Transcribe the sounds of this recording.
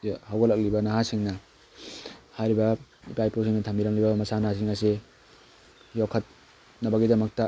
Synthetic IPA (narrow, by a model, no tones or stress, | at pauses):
hawɡɐlɐk̚libɐnaɦasiŋnɐ | hajɾibɐipajpus̬iŋnɐtʰɐmbiɾɐŋlibɐmɐsanas̬iŋɐse | jokʰɐt̚ | nɐbɐɡidɐmɐk̚tɐ